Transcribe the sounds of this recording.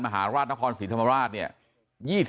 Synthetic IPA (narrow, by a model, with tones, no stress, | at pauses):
nma˧ɦa̰ː˩˦ɾaː˥˩t̪̚na˦˥kʰɔː˧nsiː˩˦t̪ʰa˧ma˧ɾaː˥˩t̪̚ni˥˩ɐ | jiː˥˩s